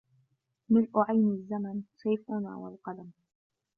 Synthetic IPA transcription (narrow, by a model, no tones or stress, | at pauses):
mɪlʔʊʕajnazːamansˤɑːfʔʊna̰ːwa̰lqɑd̪am